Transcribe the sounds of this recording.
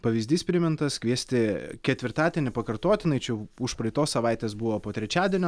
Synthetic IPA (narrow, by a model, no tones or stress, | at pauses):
pɐʋʲizʲd̪ʲiːspʲɾʲɪmʲɪnt̪ɐskʋʲiɛsʲt̪ʲɪkʲɛt̪ʲʋʲɪɾt̪ɑːd̪ʲiɛnʲɪpɐkɐɾt̪oːt̪ʲɪnɐɪt͡ʃʲɛʊʃpɾɐɪt̪oːssɐʋɑˑɪt̪ʲeːsbʊʋoːpoːt̪ʲɾʲɛt͡ʃʲæːd̪ʲɛnʲː